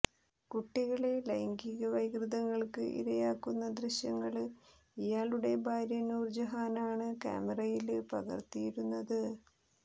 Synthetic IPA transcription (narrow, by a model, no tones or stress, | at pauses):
kuʈːiɣɐɭelɐjŋɡiɣɐʋɐjɡrɨðɐŋːɐɭkɨʔḭɾɐjaːkːunːɐd̪rɨɕjɐŋːɐɭ | ijaːɭuɽe̞bʱaːɾjɐnuːrd͡ʑɐɦaːnaːɳɨka̰ːmerɐjilpɐɣɐ̰rt̪ijiɾunːɐðɨ